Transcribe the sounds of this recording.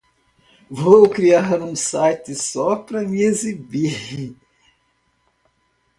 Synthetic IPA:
vowkɾiaɾɾũsajt̪ɪsɔpɾɐmiezibi

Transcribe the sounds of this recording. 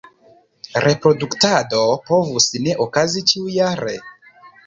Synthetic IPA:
ɾʔe̞pɾo̞duktado̞po̞vusne̞ʔokazit͡ʃiujaɾʔe̞̰

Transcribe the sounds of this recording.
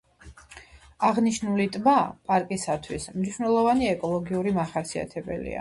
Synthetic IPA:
aʁniʃnulit̪ʼmapʼaɾkʼisat̪ʰwismniʃvnɛlˠɔvaniɛkʼɔlˠɔɡiuɾimaχasia̰t̪ʰɛbɛ̰lḭa̰

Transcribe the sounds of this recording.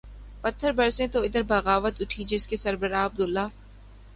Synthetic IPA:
pɐt̪ʰːəɾbɐɾsẽt̪oɪd̪əɾbɐɣaːʋət̪ʊʈʰid͡ʒɪskesɐɾbəɾaːɐb̚d̪ʊlːaː

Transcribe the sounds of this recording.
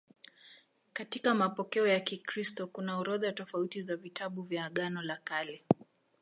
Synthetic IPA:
katikamapɔkɛɔjakikɾistɔkunauɾɔðatɔfautizavitʰaɓuvjaːɠanɔlakalɛ

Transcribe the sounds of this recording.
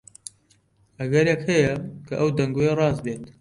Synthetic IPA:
ʔɐɡɐɾjɛkhɐjɛkʰɐʔɐwd̪ɐŋɡojerɑːzbeːt̪

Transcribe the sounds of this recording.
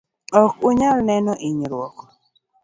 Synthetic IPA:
ɔkʊɲalnɛnɔʔiɲɾwɔkɔ̥

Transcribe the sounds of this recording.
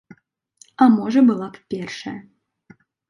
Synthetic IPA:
ɐmɔʐɐbɨlˠappʲɛrʂɐjɐ

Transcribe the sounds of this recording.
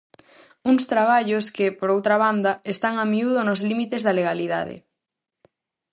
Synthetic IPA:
uŋst̪ɾaβ̞aʎoskɪpoɾowt̪ɾaβ̞and̪ɐest̪aŋamiuð̞onozlimit̪ezðɐleɣaliða̰ð̞ḛ

